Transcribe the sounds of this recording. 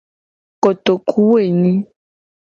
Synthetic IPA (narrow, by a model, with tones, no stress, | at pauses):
ko˨t̪o˨kʰu˦we˦˨nĩ˦